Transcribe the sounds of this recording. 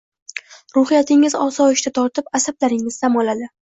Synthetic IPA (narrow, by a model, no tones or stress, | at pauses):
ɾʊhɪjat̪ʰɪŋɪzɒsɒɪʃt̪at̪ʰɒɾt̪ʰɪpasablaɾɪŋɪzd̪amɒlad̪ɪ